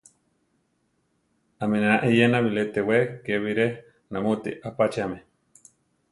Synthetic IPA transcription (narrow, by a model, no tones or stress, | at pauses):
aminanaʔijenaβilet̪ewekeβiɾe | namut̪ḭʔapat͡ʃiame